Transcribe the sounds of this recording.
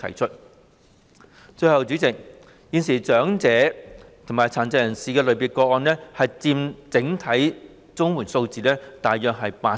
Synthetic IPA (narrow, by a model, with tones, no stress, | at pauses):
t̪ʰɐ̰˨˩jt͡ʃʰɵ˥t̚ | t͡ʃɵ˧jhɐ˨wt͡syː˨˥t͡sɪ˨k̚ | jiː˨˧nsiː˨˩t͡sœː˨˥ŋt͡sɛː˨˥t̪ʰʊ˨˩ŋmaː˨˩jt͡sʰaː˨˩nt͡sɐ˧˨˧jɐ˨˩nsiː˨˧kɛː˧lɵ˨˧piː˨˩kɔː˧k̚ɔː˧nlɛː˥hɐ˨jt͡siː˧mt͡sɪ˨˥ŋt̪ʰɐ˨˥j | t͡sʊ˥ŋmwuː˨˩nso˧wt͡siː˨˩lɛː˥t̪aː˨jːœː˨k̚ɦɐ˨jpaː˧